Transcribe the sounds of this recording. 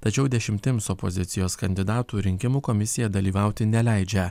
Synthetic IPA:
t̪ɐt͡ʃʲɛʊd̪ʲɛʃʲɪmʲt̪ʲɪmsɔpozʲɪt̪sʲɪjoːskɐnʲd̪ʲɪd̪ɑːt̪uːɾʲɪŋʲkʲɪmuːkɔmʲɪsʲɪjɛd̪ɐlʲiːʋɑʊt̪ʲɪnʲɛlʲæɪd͡ʒʲɛ

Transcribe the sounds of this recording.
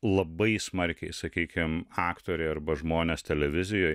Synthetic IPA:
lˠɐbɐɪsmɐɾʲkʲɛɪsɐkʲiːkʲɪmɑːkt̪oːɾʲɛɪɐɾbɐʒmoːnʲeːst̪ʲɛlʲɛʋʲɪzʲɪjoːj

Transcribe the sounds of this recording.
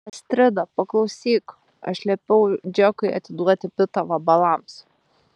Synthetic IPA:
ɐsʲt̪ʲɾʲɪd̪ɐpɐklˠɒʊsʲiːk | ɐ̰ʃlʲɛpʲɛʊd͡ʒʲɛkɐɪɐ̰t̪ʲɪd̪uɔt̪ʲɪpʲɪt̪ɐʋɐbɐlˠɐms

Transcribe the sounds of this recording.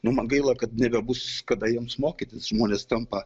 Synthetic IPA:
nʊmɐnɡɐɪlˠɐkɐt̪nʲɛbʲɛbuskɐd̪ɐjiɛmsmoːkʲit̪ʲɪsʒmoːnʲeːst̪ɐmpɐ

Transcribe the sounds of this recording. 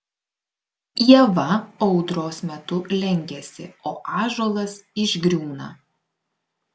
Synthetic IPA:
jɛʋɐɒʊd̪ɾoːsmʲɛt̪ʊlʲɛŋʲɡʲɛsʲɪ̰oːʔɑːʒoːlˠɐsɪʒɡɾʲuːnɐ

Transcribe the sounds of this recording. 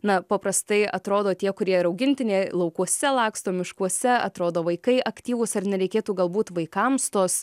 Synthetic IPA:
nɐpɐpɾɐst̪ɐɪɐt̪ɾoːd̪oːt̪ʲiɛkʊɾʲiɛɪɾɐʊɡʲɪnʲt̪ʲɪnʲeːlˠɐʊkuɔsʲɛlˠɑːkst̪oːmʲɪʃkuɔsʲɛɐ̰t̪ɾoːd̪oːʋɐɪkɐɪʔɐkt̪ʲiːʋʊsɐrnʲɛɾʲɛɪkʲeːt̪uːɡɐlˠbuːt̪ʋɐɪkɐmst̪oːs

